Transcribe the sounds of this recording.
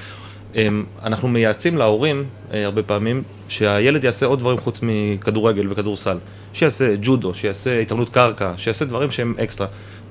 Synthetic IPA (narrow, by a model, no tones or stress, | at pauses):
em | anaχnume̞jat͡simlao̞ʁim | eaʁbe̞paːmim | ʃeaje̞le̞d̪jaːseo̞d̪̚vaʁimχut͡smikaduʁe̞ɡe̞lvekaduʁsal | ʃejaːse̞d͡ʒudo̞ʃejaːseitamnut̪kaʁkaʃejaːsed̪vaʁimʃee̞mʔekstʁa